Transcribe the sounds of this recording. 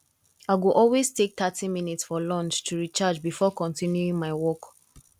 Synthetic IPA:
aɪɡuʔɔlweztek̚t̪atiminitsfɔlɔ̃nt͡ʃtʰuɹit͡ʃad͡ʒbifɔkɔ̃ntĩnjuĩŋmaɪwɔk

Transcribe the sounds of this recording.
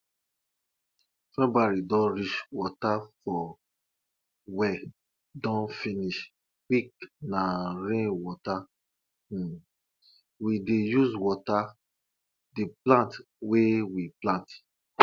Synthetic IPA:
fɛbaɹidɔ̃nɹit͡ʃwɔtafɔ | wɛ | dɔ̃nfĩniʃ | wiknaɾẽwɔtã | widejuzwɔta | diplãnt | wewiplãnt

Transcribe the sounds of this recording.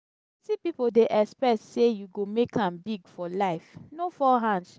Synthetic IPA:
sipipodeʔɛkspɹɛssejuɡomekãmbiɡfɔlaɪfnofɔɦãns

